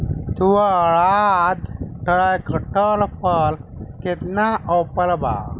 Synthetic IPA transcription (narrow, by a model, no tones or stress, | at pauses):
t̪uwaːɭad̪ʈəɭajkəʈəlpəlket̪naʔɔpəlba̰